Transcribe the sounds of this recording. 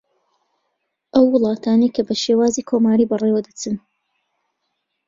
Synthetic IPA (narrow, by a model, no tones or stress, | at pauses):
ʔɐwːɨlˠɑːt̪ʰaːnejkʰɐbɐʃeːwaːziːkʰomaːɾiːbɐrewɐd̪ɐt͡sɨn